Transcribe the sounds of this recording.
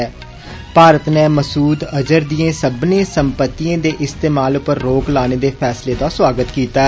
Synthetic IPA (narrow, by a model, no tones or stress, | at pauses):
paːɾət̪neːməsuːd̪əd͡ʒəɾd̪ijẽːsəbnẽːsəmpət̪ːijãːd̪eːʔɪst̪eːmaːlʊpəɾːoːklaːneːd̪eːpʰɛːsleːt̪ãːswaːɡət̪kiːt̪aː